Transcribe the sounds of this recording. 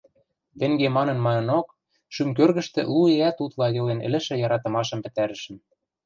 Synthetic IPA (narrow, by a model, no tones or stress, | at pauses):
t̪ɘ̆ŋɡemɑnɤ̆nmɑnɤ̆nok | ʃymkørɣə̆ʃt̪ɘ̰̆lueæt̪ut̪lˠɑjɤ̆lenɘ̰̆lɘ̆ʃɘ̆jɑɾɑt̪ɤ̆mɑʃɤ̆mpɘ̆t̪æɾɘ̆ʃɘ̆n